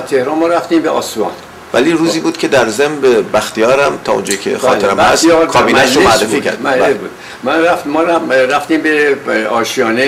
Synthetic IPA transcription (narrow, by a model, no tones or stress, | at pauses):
t̪ʰehɾɒnmɒːɾæft̪iːmbeɒ̰ːsuɒ̰n | væliːruːziːbuːd̪̥kʰʲe̞d̪æɾzembebæxt̪ijɒːɾæmt̪ʰɒːond͡ʒɒːjikʲʰḛxɒ̰ːt̪eɾæmæskʰɒːbiːnæʃomoærːefiːcʰæ̰ɾdimæebud̥̪ | mænɾæfmɒɾɾæft̪iːmbeɒːʃiɒːne